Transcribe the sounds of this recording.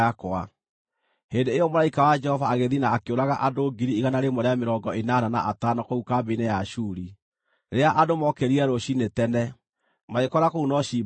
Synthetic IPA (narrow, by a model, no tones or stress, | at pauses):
akwa | hendeːjɔmoɾaikawad͡ʒɛhɔvaːɣeðinaːkeoɾaɣaʔadoɡiɾiiɣanaɾemɔɾeameɾɔŋɡɔenanana̰ʔatanɔkoukabenɛjaʃuːɾi | ɾeaʔadomɔkɛɾiɛɾoɕinetɛnɛ | maekɔɾakounɔɕiː